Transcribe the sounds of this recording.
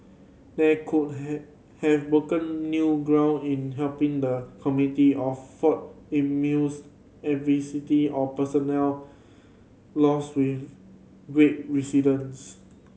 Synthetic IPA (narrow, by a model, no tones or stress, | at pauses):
dɛkʰut̚ | hɛvbɹokə̃nːjuɡɹãʊ̃nĩnɦɛlpĩŋdəkʰɔmjunitiɔffɔt̚ĩmus | ɛtvisitiɔpəsɔnɛl | lɔswiθ | ɡɹet̚ɹisidə̃ns